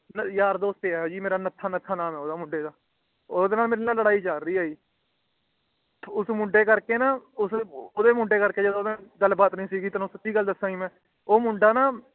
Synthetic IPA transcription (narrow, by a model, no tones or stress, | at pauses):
njaːɾd̪oːst̪eːɛd͡ʒiːmeːɾaːnət̪ʰːaːnət̪ʰːaːnaːmɛːoːd̪aːmʊɳɖeːd̪aː | oːd̪eːnaːlmeːɾenaːləɽaːiːt͡ʃaːɾːiːaːiː | ʊsmʊ̃ɳɖeːkəɾkeːnaːʊsoːd̪eːmʊɳɖeːkəɾkeːd͡ʒəd̪õːɛ̃ɡəlːbaːt̪nəĩːsiːɡiːt̪aːnosət̪ːiːɡəlːd̪əsːãːɡiːmɛ̃ː | oːmʊ̃ɳɖaːnaː